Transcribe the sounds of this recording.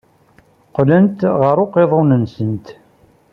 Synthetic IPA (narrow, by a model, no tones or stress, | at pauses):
qlənt̪ʁəɾʊqeðˤonənsənt̪